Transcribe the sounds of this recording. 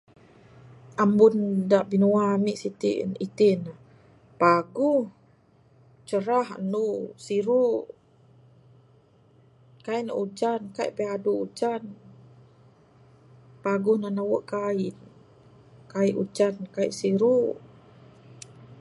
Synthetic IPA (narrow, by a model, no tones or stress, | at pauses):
ambundaʔbinuamiʔsit̪ḭnit̪ina | paɡuh | t͡ʃəɾahnusiɾu | kaina̰ʔud͡ʒankaḭʔpeaduud͡ʒan | paɡuhnanawəʔkain | kaiʔud͡ʒankaiʔsiɾu